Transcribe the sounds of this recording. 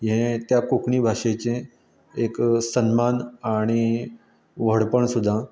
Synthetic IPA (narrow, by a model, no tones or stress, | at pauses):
jẽt̪jakukɳiːbʱaʂet͡ɕẽ | eksənmanaɽ̃i | ʋəɽpəɳsud̪ʱːa